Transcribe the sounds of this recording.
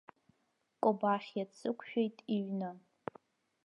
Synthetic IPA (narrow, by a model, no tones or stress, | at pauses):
kʼobaχʲjat͡sʰʼɨkʷʰʃᶣejtʼiɥna